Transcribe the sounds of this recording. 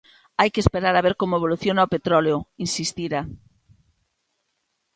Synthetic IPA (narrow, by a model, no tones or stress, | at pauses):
ajkespeɾaɾaβeɾkomʊeβ̞oluθjonaopet̪ɾɔleoinsist̪iɾa